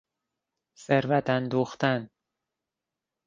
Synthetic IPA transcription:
seɾvæt̪ʰænd̪oxt̪æn

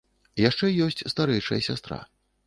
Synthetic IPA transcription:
jaʂt͡ʂɛjɔsʲt͡sʲst̪aɾɛjʂɐ̰jɐsʲa̰st̪ɾa̰

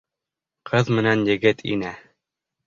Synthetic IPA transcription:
qʰɤðmɘ̆nænjɘ̆ɡɘt̪ʰḭnæ

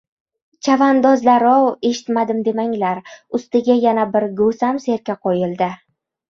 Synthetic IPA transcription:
t͡ʃʰavand̪ɒzlaɾɒwe̞ʃɪ̥t̪mad̪ɪmd̪e̞maŋlaɾʊst̪ɪɡʲajanabɪɾɡosamse̞ɾkʲaqʰojɪlˠd̪ɪ

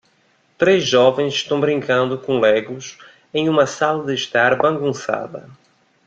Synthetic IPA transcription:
t̪ɾezʒɔvẽj̃zɪʃt̪ɐ̃w̃bɾĩŋkɐ̃nd̪ʊkõlɛɡʊs | ẽj̃ũmɐsalɐd̪ɪʃt̪aɾbɐ̃ŋɡũsa̰ðɐ̰

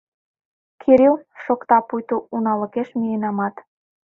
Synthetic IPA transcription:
kʰiɾilʃokt̪ɑpujt̪uunɑlə̆keʃmijenɑmɑt̪

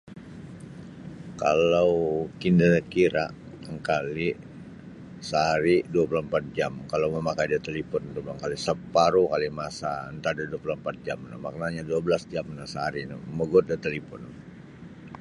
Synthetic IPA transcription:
ka̰lawkindakiɾaʔ | əŋkali | səɦaɾiduapulampat̪̚d͡ʒamkalawməmakajdat̪elipɔnt̪ubaŋkalisəpaɾukalimasaənt̪adaduapulampat̪̚d͡ʒamna̰mak̚naɲaduabəlasd͡ʒamnasəɦaɾina̰məɡʊt̪̚dat̪elipɔ̰n

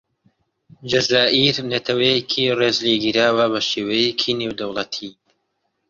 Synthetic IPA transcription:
d͡ʒɐzaːʔiɾnɐt̪ʰɐwɛjekʰireːzleɡiɾaːwɐβɐʃeːwɐjekʰinewd̪ɐwlˠɐt̪ʰi

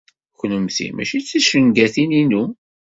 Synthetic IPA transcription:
çnəmθḭmæ̰ʃit͡sːæʃəŋɡæθininu

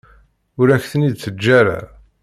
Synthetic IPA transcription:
ʊɾæçθənid̪θəd͡ʒːæɾa̰

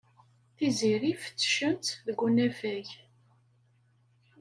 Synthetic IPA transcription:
θiziɾifə̥t͡sːʃənt̪ðəɡʷunævæʝ

